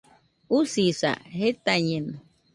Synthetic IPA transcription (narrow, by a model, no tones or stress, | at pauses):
usisa̰het̪aɲeno